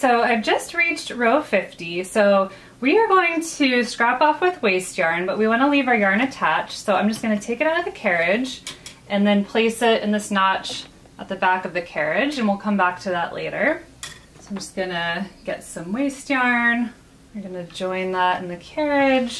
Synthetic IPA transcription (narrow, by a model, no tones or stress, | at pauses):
soʊaɪvd͡ʒʌst̚ɹit͡ʃt̚ɹoʊfɪftisoʊ | wiə˞ɡoʊɪ̃ŋtʰɨstɹ̥æpɔfwɨðweɪstjɑɹnbʌʔ̚wiwɑñəlivjɑɹnɨtʰæt͡ʃsoʊãɪ̃md͡ʒʌsɡ̥ʌñɨtʰeɪkɨɾaʊɾʌvðɨkʰɛɹɪd͡ʒ | ʔɨ̃nðɨ̃npʰl̥eɪsɪɾɨ̃nðɪsnɑt͡ʃ | ʔət̪̚ðɨbækʌvðɨkʰɛɹɪd͡ʒɨ̃nwilˠkʰʌ̃mbæk̚tʰɨðəʔlʔḛɪɾə˞ | soʊaɪ̃md͡ʒʌsɡ̥ʌnɨɡ̥ɛtsʌ̃mweɪstjɑɹn | wɨɹɡʌnɨd͡ʒɔ̃ɪ̃nðæɾɨ̰̃n̩ðɨkʰɛɹɪ̥ʒ̥